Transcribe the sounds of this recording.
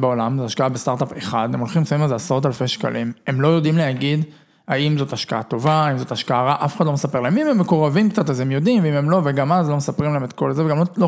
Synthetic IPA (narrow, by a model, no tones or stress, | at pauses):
beolamzeaʃkaabest̪aʁtapeχad̪emolχimsaimazeasʁot̬alfeʃka̰lʔime̞mlo̞jo̞dimleaɡid | haimzo̞taʃkaato̞vaaimzotaʃkaaʁaʔafeχadlomesape̞ʁlaemimemːekoʁavimkt͡satazemjo̞dimveimemlo̞veɡamazlo̞mesapʁimlahemet̪ko̞lzeveɡamlolo